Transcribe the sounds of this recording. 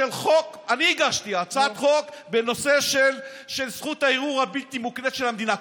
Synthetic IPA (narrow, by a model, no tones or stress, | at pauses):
elχo̞kaniːɡaʃt̪iat͡sat̪χo̞kbeno̞se̞ʃel | ʃelsχut̪haiʁuʁhabilt̪imuknet̪ʃe̞lhamd̪ina